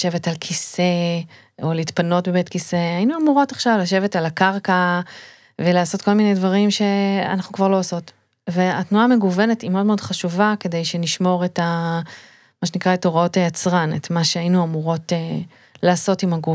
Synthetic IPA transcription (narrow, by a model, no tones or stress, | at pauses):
ʃe̞vetalkʰise̞ | oliːtpano̞tbebetkise̞ajinuamuʁo̞taχʃavlaʃe̞vetalakaʁka | ve̞laːso̞tko̞lmine̞jdvaʁimʃe̞a̰naχnukvaʁlo̞aso̞t | veatnuaːme̞ɡuve̞ne̞timeodmeo̞dχaʃuvake̞de̞jʃe̞niʃmo̞ʁeta | maʃenikʁaetoʁaotajat͡sʁanḛtmaʃeainuamuʁo̞te | laːso̞timaɡu